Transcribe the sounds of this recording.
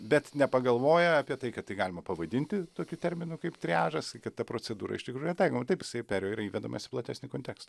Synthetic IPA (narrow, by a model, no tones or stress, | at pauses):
bʲɛt̪nʲɛpɐɡɐlˠʋoːjɛɑːpʲiɛt̪ɐɪkɐt̪t̪ːɐɪɡɑːlʲɪmɐpɐʋɐd̪ʲɪnʲt̪ʲɪt̪oːkʲut̪ʲɛɾʲmʲɪnukɐɪpt̪ʲɾʲæːʒɐskɐt̪t̪ːɐpɾoːt͡s̪ʲɛd̪uːɾɐ̰ɪʃt̪ʲɪkɾuːjʊnʲɛt̪ɐɪkoːmɐt̪ɐɪpɪ̥sɐɪpʲæɾʲoːiːɾɐiːʋʲɛd̪ɐmʔɐ̰sʲɪ̥plˠɐt̪ʲæːsʲnʲɪkoːnʲt̪ʲɛkst̪ɐ